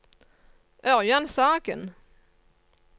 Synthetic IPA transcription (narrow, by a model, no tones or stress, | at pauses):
ʔœɾjansaːɡə̰n